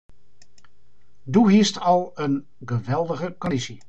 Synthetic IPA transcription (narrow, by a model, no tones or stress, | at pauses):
duɦiəstɑlˠən | χəʋɛlˠdəɣəkɔndisi